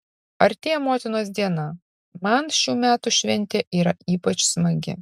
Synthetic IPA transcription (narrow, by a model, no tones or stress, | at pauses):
ɐɾt̪ʲeːjmoːt̪ʲɪnoːs̬d̪ʲiɛnɐ | mɐnʃʲuːmʲæːt̪ʊʃʲʋʲɛnʲt̪ʲeːʔiːɾɐʔiːpɐt͡ʃsmɐɡʲɪ̰